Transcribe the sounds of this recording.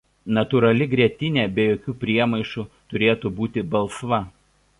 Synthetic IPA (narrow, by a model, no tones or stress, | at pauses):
nɐt̪uːɾɐlʲɪɡɾʲiɛt̪ʲɪnʲɛːbʲɛjoːkʲuːpʲɾʲiɛmɐɪʃut̪ʊɾʲeːt̪ubuːt̪ʲɪbɐlˠˑsʋɐ